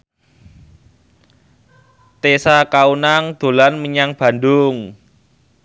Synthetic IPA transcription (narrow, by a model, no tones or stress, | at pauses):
t̪esakaunaŋd̪̥o̤lanməɲaŋb̥ä̤ndʊŋ